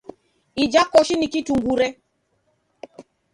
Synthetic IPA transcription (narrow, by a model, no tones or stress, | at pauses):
id͡ʒakɔʃinikituŋɡuɾɛ